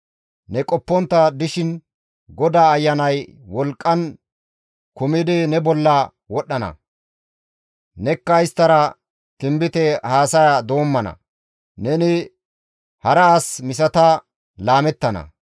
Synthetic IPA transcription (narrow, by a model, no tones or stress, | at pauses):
nɛkʼɔpːɔnt̪ːɐd̪ɪʃɪn | ɡɔd̪aːjːɐnɐjwɔlkʼːɐn | kʊmɪd̪ɪnɛbɔlːɐ | wɔɗːɐnɐ̰ | nɛkːɐjɪst̪ːɐɾɐ | t̪ɪmbɪt̪ɛhaːsɐjad̪o̞ːmːɐnɐ̰ | nɛnɪ | hɐɾɐːsmɪs̬ɐt̪ɐ | laːmɛt̪ːɐnɐ̰